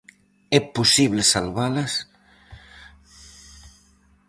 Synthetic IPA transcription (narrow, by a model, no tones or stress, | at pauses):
ɛposiβlesalβalas